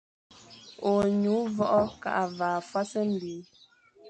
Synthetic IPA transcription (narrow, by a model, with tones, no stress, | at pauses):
o˨ɲu˨˦vɔ˦ʔɔ˦ka̰˦˨ʔa˨vaː˨fwa˦sɛ˦m̩˨biː˨˦